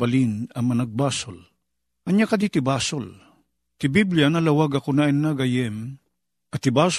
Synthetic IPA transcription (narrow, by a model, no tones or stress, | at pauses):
ɐlinɐŋmɐnɐɡ̚baːsol | ʔɐɲjakɐd̪it̪ɪbaːsol | t̪ɪbiblianɐlɐwaɡɐkonaɪnːaɡɐjɛm | ʔɐt̪ɪbaːs